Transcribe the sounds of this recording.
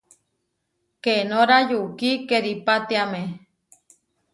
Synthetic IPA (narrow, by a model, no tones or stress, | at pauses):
kenoɾajukikeɾipat̪iame